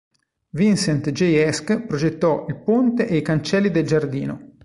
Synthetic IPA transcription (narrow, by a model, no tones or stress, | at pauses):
vinsɛnt̪d͡ʒejɛskpɾod͡ʒet̪ːɔʔilpont̪eʔeikant͡ʃɛlːid̪eld͡ʒard̪iːno̰